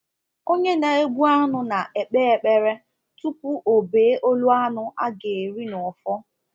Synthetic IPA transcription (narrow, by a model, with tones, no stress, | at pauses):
o˦ɲe˦na˨e˦ɡʷu˦a˦nʊ˨na˨ʔe˨k͡pe˦e˨k͡pe˦ɾe˦ | tu˦pu˦ʔo˨beː˨˦ʔo˦lu˦a˦nʊ˦ʔa˦ɡe˨ɾi˦nɔ˨fɔ˦